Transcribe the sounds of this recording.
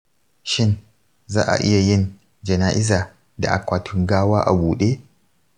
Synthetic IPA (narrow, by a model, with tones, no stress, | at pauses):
ʃɪ˦n | zaː˦ʔa̰˨ʔɪ˦ja˨jɪ˦˨n | d͡ʒɐ˨naː˦ʔɪ˦zaː˨ | da̰˨ʔa˨kʷaː˨tʰʊ˦ŋɡaː˦waː˦ʔa̰˨buː˨ɗeː˦